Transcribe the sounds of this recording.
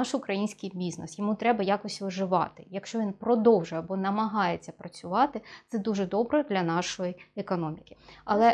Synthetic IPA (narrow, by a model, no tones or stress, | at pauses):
ɑʃʊkɾɐjinʲsʲkɪjbʲiznɛsjɔmut̪ɾɛbɐjɑkɔsʲʋɪʒɪʋɑ̰t̪ɪjɐkʃt͡ʃɔʋʲinpɾɔd̪ɔwʒʊjɛbɔnɐmɐɦɑjet͡sʲːɐpɾɐt͡sʲʊʋɑt̪ɪt̪sɛd̪uʒɛd̪ɔbɾɛd̪lʲɐnɑʃɔjiɛkɔnɔmʲikʲɪ̥ɐlˠɛ